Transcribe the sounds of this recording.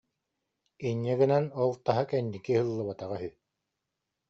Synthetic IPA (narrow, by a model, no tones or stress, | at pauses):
iɲːɛɡinɛnɔlˠt̪aɦakɛnːikihɯlˠːɯβat̪aʁaɦyj